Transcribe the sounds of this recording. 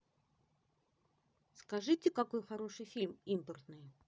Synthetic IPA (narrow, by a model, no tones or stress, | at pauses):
skaʐɨtʲɪkako̞jxaɾoʂɨjfʲilʲmimpərt̪nɨj